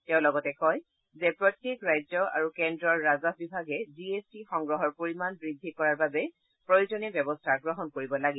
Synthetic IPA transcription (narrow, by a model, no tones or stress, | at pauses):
tɛʊ̃lɔɡɔtɛkɔj | zɛpɹɔtːjekɹajzɔa̰ɹukendɹɔɹːazɔbibʱaɡɛziestixɔŋɡɹɔɦɔɹpoɹimanbɹid̪ʱːikɔɹaɹbabɛ | pɹojuzɔnɛbjɔbɔstʰaɡɹɔɦɔnkoɹibɔlaɡi